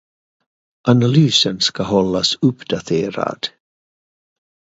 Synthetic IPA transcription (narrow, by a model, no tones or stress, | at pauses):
ʔanalyːsənskaɦɔlːasɵpd̪̥at̪ʰeːɾa̰d̪̥